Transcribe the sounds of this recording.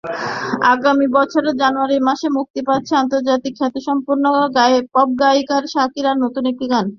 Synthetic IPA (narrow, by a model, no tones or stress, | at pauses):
aɡamibɔt͡ɕʰoɾed͡ʑanoaɾimaʃemuk̚t̪ipat̪ːɕʰeant̪oɾd͡ʑat̪ikʰːɛt̪uʃɔmpuɾnoɡapɔb̚ɡajkaɾʃakiɾaɾnot̪unek̚ʈiɡan